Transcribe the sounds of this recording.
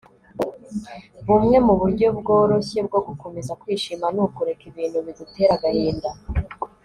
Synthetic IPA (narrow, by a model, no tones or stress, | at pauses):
βumŋe̞muβuɾɟo̞bɡoːɾo̞çe̞b̚ɡo̞ɡuko̞me̞zakwiːʃimanukuɾe̞kiβiːn̥huβidute̞ːɾaɡaɾiːnda